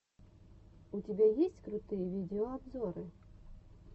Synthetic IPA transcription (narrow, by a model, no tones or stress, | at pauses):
utʲibʲɛjisʲt͡sʲkɾʊt̪ɨjɛvʲid̪ɛɔabzɔɾɨ